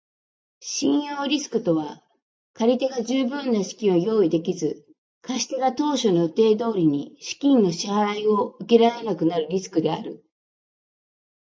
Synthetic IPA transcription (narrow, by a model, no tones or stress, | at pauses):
ɕĩɰ̃jo̞ːɾʲisɨ̥kɯ̟t̪o̞βa | kaɾʲit̪e̞ɡaʑɨːbɯ̟̃nːaɕi̥kʲĩo̞jo̞ːid̪e̞kʲizɨ | kʰaɕi̥t̪eɡat̪o̞ːɕo̞no̞t̪e̞ːd̪o̞ːɾʲiɲ̟iɕi̥kʲĩnːo̞ɕihaɾaio̞ɯ̟kʲeɾaenakɯ̟naɾɯ̟ɾʲisɨ̥kɯ̟d̪e̞a̰ɾɯ̟